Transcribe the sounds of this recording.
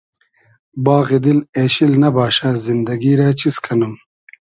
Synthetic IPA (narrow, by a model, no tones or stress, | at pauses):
baːɣid̪ileːɕilnɐbaːɕazind̪ɐɡiɾaːt͡ɕiskʰɐnum